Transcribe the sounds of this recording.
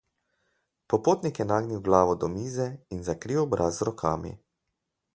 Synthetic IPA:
pɔpoːt̪nikjɛnaːɡniwɡlaːʋɔd̪ɔmiːzɛinzakɾiwɔbɾʔaːzɾɔkʰa̰ːmḭ

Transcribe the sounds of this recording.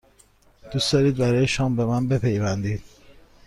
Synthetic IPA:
d̪̥usd̪ɒːɾiːd̪̚bæɾɒːjeʃɒːmbemænbe̞pʰe̞jvænd̪iːd̪̥

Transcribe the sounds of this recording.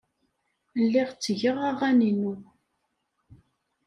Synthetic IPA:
lːɪʁt͡sːəʝəʁaʁæninu

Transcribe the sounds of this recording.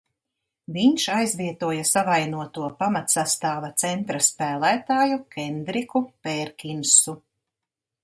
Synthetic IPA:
viɲʃajzvʲiɛt̪uɔjɐsavajnuɔt̪uɔpamat̪sast̪aːvɐt̪sɛnt̪ɾaspæːlˠæːt̪aːjukɛnd̪ɾikupɛɾkʲinsu

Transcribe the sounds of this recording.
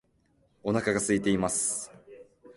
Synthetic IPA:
o̞nakaɡasɨit̪eimasɨ̥

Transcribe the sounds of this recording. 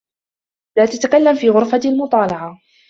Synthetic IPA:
laːt̪at̪akalːamfiːɣʊɾfaalmʊt̪ˤɑːlɑʕa

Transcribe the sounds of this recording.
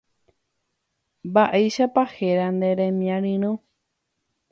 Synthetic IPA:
mbaʔejʃapaheɾand̪eɾẽmĩãɾɨ̃ɾ̃õ

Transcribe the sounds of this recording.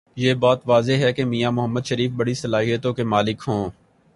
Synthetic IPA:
jeːbɔːt̪ʋaːzeɦɛkemiːjamʊɦəmːəd̪ʃəɾiːfbɐɽisɐlaːɦijət̪õkemaːlɪkɦõː

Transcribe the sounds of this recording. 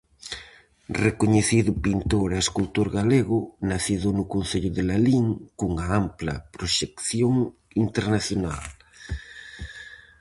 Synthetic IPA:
rekoɲeθiðʊpint̪oɾaeskult̪oɾɣaleɣʊnaθiðʊnʊkon̟θeʎʊðelaliŋkuŋaamplɐ̰pɾoʃekθjoŋ | int̪eɾnaθjona̰l

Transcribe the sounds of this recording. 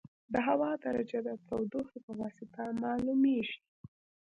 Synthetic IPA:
d̪əɦawɑd̪aɾad͡ʒad̪ət̪awd̪oxepəwɑsɪt̪amɑlumeʒi

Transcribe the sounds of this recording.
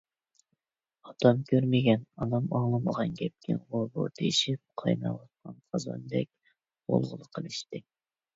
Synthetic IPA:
ɑt̪ʰɑmkʲʰøɾmɪɡʲɛnɑnɑmɑŋlˠɨməʁɑnɡʲɛp̚kʲʰɪnʁobo̰t̪ʰeʃɪp̚qʰɑjnɑ̰wɑt̪̚qɑnqʰɑzɑ̰nd̪ɛk̚ʲ | bo̰lˠʁʊlˠəqʰəlˠɨʃt̪ɪ

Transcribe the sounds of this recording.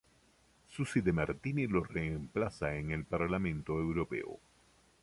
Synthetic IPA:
susid̪emaɾt̪inilo̞reːmplasaeŋelpaɾlamẽnt̪oewɾo̞pe̞̰o̰

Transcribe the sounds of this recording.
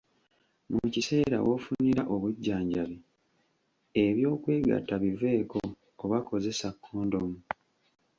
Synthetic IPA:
mucise̞ːɾa̰wofuniɾaʔo̞βuɟːaːɲɟaβi | eβjo̞ːkwe̞ːɡa̰tːaβive̞ːko̞ː | βako̞ze̞sakʰːoːndo̞mu

